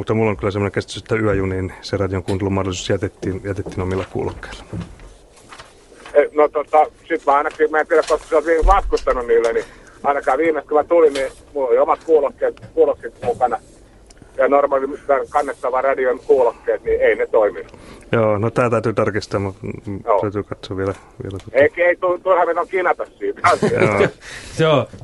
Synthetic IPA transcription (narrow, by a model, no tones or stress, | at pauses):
mut̪ːɑmulːoŋkylːˑæsemːoneŋkest̪yset̪ːæyæjuniːnserɑdijoŋkuːnt̪elumɑhdolisu̥sjæt̪et̪ːiːnjæt̪et̪ːiːnomilːɑkṵːlokːe̥il̥ːɑ̥ | enot̪ot̪ɑsit̪mæɑˑinɑkimæːt̪ieɾækosseolt̪ʋiiŋʋɑt̪kust̪ɑnuniːlːeni | ɑˑinɑkɑːʋiːmest̪̚komæt̪ulinni | mulːoliomɑt̪̚kuːlokːeːt̪kuːlokːit̪mukɑnɑ | jɑnormɑlimrɑkɑnːet̪ːɑʋɑrɑdionkuːlokːeːt̪nieinet̪oiminujoːnot̪æːt̪æˑyt̪yːt̪ɑrkist̪ɑːmuoːt̪ːæyt̪yːkɑt̪soʋielæ | ʋḭelæt̪oeikeit̪ut̪urhɑmet̪oŋkinɑt̪ɑssiːt̪ɑsio̰seo